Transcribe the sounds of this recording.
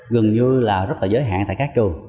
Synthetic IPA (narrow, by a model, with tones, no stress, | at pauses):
ɣɨ˨˩ŋɲɨ˧laː˨˩zə˦˥t̚laː˨˩əː˨˦jɦa̰ː˧˨nt̪a̰ː˧˨kaː˦˥k̚t͡ɕu˨˩